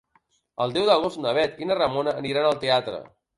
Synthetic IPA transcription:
əlˠd̪ɛwðəɣost̪nəβɛt̪inərəmonəːniɾanəlˠt̪eat̪ɾə̰

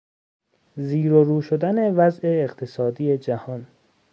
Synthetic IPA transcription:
ziːɾoɾuːʃod̪æne̞væzʔe̞ːqt̪ʰesɒːd̪iːed͡ʒæhɒːn

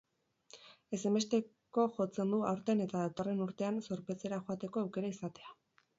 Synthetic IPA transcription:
e̞se̞me̞st̪e̞ | ko̞ʝo̞t͡se̞nd̪uawɾt̪e̞ne̞t̪aðat̪o̞re̞nuɾt̪e̞anso̞ɾpe̞t͡se̞ɾaʝo̞at̪e̞ko̞awke̞ɾaisat̪e̞a

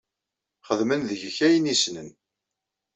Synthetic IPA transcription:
χəðmənðəʝəçæjənisnən

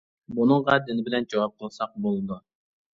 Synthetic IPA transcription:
bunɨŋʁɑd̪ɪnɪbɪlɛnd͡ʒɑwɑp̚qʰəlˠsɑq̚bolˠɨd̪u

